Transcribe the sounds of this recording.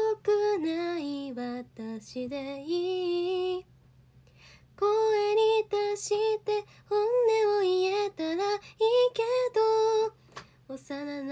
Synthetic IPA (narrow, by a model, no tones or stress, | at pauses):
okɯnaiβat̪aɕid̪ei | koeɾit̪aɕit̪e | hõnːemoijet̪aɾaiked̪o | osanan